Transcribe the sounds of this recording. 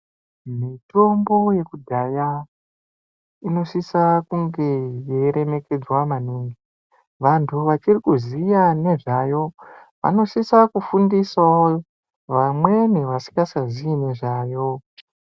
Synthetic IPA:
mito̞mbo̞je̞kudʱaja | ino̞sisakuŋɡe̞jeɾe̞me̞ke̞d͡zwamaniŋɡi | ʋantʰuʋat͡ʃirikuzijane̞ʐajo̞ | ʋa̰no̞sisakufundisao | ʋamwe̞ne̞ʋasi̥ŋɡasaziine̞ʐaːjo̞

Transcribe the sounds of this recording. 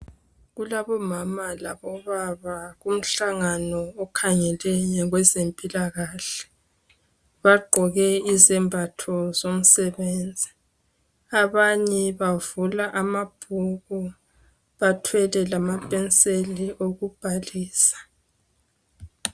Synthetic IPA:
ɣulaβɔmamalaβɔβaβaɣum̩ɬaŋanɔːkʰaŋɛlɛjɲɛɣwɛzempʼilaɣaɬɛ̥ | βaɡ͡ǃʱɔɣɛizɛmbʱatʰɔzom̩sɛβeːnd͡zʱi | aβaɲɛβavulaʔamab̥ʱuɣɔ | βatʰwɛlɛlamapʼɛnt͡sʼeliʔoɣub̥ʱaliːsḁ

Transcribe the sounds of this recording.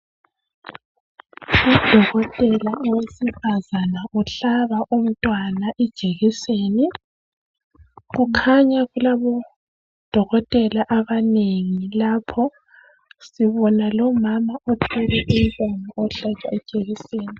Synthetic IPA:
ud̥ʱɔɣɔtʼɛlaʔɔwesifazanaʔuɬaβaʔum̩tʼwanaʔɛd̥ʒ̥ʱeɣiseːni | ɣukʰaɲaɣulaβɔ | d̥ʱɔɣɔtʼɛlaʔaβaneŋilapʰɔ | siβɔnalɔmamaʔɔtʰɛlɛʔum̩tʼwanaʔɔɬat͡ʃʼwaɛd̥ʒ̥ʱeɣiseːni

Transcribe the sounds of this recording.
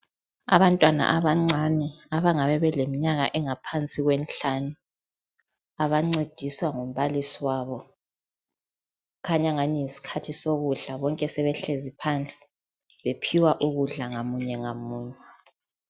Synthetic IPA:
a̰βantʼwana̰ʔaβaŋ͡ǀʱanɛaβaŋaβɛβɛlemiɲaɣa̰ʔɛŋapʰant͡sʼiɣwɛnɬanu | aβaŋ͡ǀed̥ʱiswaŋum̩βalisiwaːβɔ | kʰaɲaŋaniisi̥kʰatʰisoɣuɮaβɔŋkʼɛsɛβɛɬezipʰant͡sʼi̥ | βepʰiwaʔuɣuɮaŋamuɲɛŋamuːɲɛ

